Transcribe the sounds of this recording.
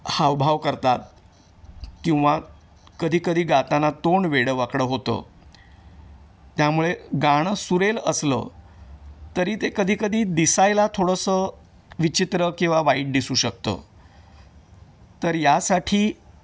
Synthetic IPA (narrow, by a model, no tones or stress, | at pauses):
hawbʱaʋkəɾt̪at̪̚ | kĩw̃ʋa | kəd̪ʱiːkəd̪ʱiːɡat̪anat̪oɳʋeɽəʋakɽəɦot̪ə̰ː | t̪jamuɭeɡaɳ̃suɾeləslə̰ | t̪əɾiːt̪ekəd̪ʱiːkəd̪ʱiːd̪isajlat̪ʰoɽəsə | ʋit͡ɕit̪ɾəkĩw̃ʋaʋaiːʈ̚d̪isuːɕək̚t̪ə̰ | t̪əɾjasaʈʰiː